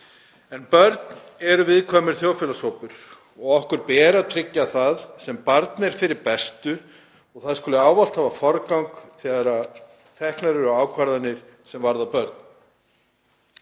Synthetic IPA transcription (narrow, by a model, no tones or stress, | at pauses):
ɛnpœɾt̪n | ɛɾʏvɪðkʰvaːmɪɾ̥θjowfɪlasowpʏɾ̥ | ɔɣɔhkʏɾpɛːɾaðt̪ʰɾɪcːaθaðsɛmpaɾt̪nɛɾ̥fɪɾɪɾpɛst̪ʏ | ɔɣθaðskʏlʏaːwval̥t̪haːvafɔɾkawŋkθɛðɾa | t̪ʰɛhknaɾɪɾɔɣaːwkʰvaɾðanɪɾ̥sɛmvaɾðawpœɾt̪̚n